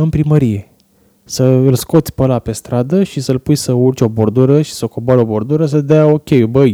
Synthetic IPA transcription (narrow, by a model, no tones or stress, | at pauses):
ɨmpɾiməɾije̞ | səɨlsko̞t̪sʲpəlape̞st̪ɾad̪əʃisəɨlpujsəurt͡ʃʲo̞bo̞rd̪uɾəʃi̥səkombaɾo̞bo̞rd̪uɾəs̬əd̪eao̞kʲe̞jubəj